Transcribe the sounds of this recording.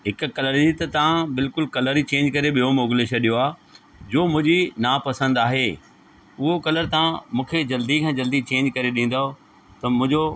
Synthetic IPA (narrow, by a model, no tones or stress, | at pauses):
ɦɪkkɐləɾd͡ʑit̪ɐt̪ɐʋãbɪlkʊlkɐləɾit͡ɕẽːɲd͡ʑkɐɾeɓijomoːɡɪleʃɐɗijoaː | d͡ʑoːmʊ̃ɦɪ̃ɲd͡ʑinaːpɐsə̃nd̪aːɦeː | ʊɦokɐləɾt̪ɐʋãmũːkʰed͡ʑɐld̪ikʰãːd͡ʑɐld̪it͡ɕẽːɲd͡ʑkɐɾeɗĩːn̆d̪ao | t̪ɐmʊ̃ɦɪ̃ɲd͡ʑo